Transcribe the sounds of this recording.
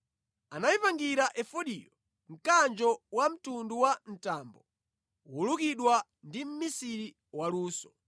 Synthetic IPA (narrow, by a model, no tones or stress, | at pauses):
anaipaŋɡiɾaʔɛfɔɗḭjɔ | m̩kand͡ʒɔwam̩tunduwan̩taːmbɔ | wulukiɗwa | ndim̩misiɾi | waluːsɔ